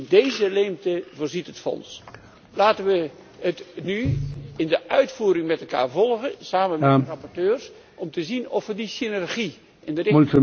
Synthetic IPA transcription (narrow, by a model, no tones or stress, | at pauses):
ndejzəleːmtəvoːrzitɦətfɔ̰ns | laːtənʋə | ətnyɪndəʔœɥtfuːɾɪŋmɛtɛlˠka̰ːɹvɔlˠɣəsaːməmɛrɑpɔrtøːrs | ʔɔmtəzinɔfʋədisinɛrɣi | ʔɛndəruntə